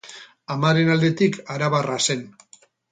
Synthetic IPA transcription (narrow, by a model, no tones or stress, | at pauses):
amaɾe̞nald̪e̞t̪ikaɾaβarase̞n